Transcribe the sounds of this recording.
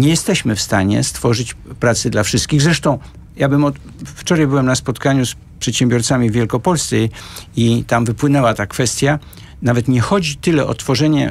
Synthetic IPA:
ɲɛjɛst̪ɛɕmɘfst̪aɲɛ̰st̪fɔʐɘt͡ɕpɾat̪sɛd̪lafʂɘst̪̚kʲiɣzɾɛʂt̪ɔ̃w̃ | jabɘmɔt̪ | ft͡ʂɔɾajbɘwɛmnaspɔt̪kaɲus | pʂɛt̪ɕɛmbʲjɔɾt̪samʲivʲjɛlkɔpɔlst̪sɛit̪amvɘpwɘnɛwat̪akfɛst̪ʲja | navɛt̪ɲɛxɔd͡ʑit̪ɘlɛʔɔ̰t̪fɔʐɛɲɛ̰

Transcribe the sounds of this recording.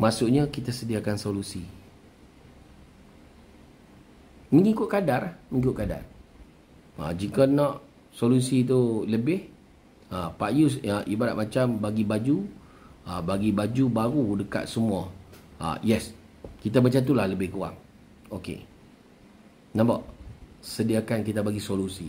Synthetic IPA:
masuʔɲəkit̪asədiakansolusi | məŋikʊʔ̚kadaɾamə̃ŋikʊʔkada̰r | a̰d͡ʒikənɔʔ | solusit̪̬uləbɪh | apaʔjusaʔibaɾa̰t̪̚mat͡ʃambaɡibad͡ʒu | abaɡibad͡ʒubaɾudəka̰t̪̚səmuaa̰jɛs | kit̪abat͡ʃat̪̬ulahləbɪhkuwa̰ŋ | okḛ | nabaʔsədiakankit̪abaɡisolusi

